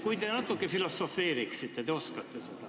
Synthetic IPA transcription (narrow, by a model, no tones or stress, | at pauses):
kujt̪enɑt̪ːˑukːefilosːofeːriksit̪ːet̪eoskɑt̪ːeset̪ɑ